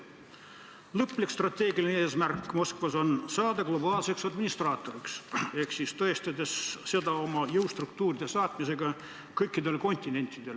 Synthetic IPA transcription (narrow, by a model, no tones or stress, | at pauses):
lɤpːˑlikst̪rɑt̪ʲːe̞ːɡilineeːsmærkːˑmo̞skvɑso̞nsɑːd̪ɑɡ̥lo̞bɑːlse̞ksɑd̪minist̪rɑːt̪ːˑo̞ɾikse̞hksist̪oest̪ɑd̪e̞sːe̞d̪ɑo̞mɑjɤwst̪ruk̚t̪uːɾid̪̥e̞sɑːt̪mise̞ɡɑ | kɤjkːˑid̪e̞lko̞nʲt̪ʲːˑine̞nʲt̪ʲːˑid̪̥e̞l